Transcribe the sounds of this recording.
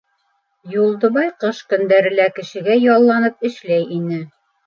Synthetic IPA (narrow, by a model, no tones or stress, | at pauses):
julˠd̪ɤ̆βɑjqɤʃkɵ̆nd̪æɾɘ̆lækɘ̆ʃɘ̆ɡæjɒlˠːɑnɤp̚ɘ̆ʃlæjinɘ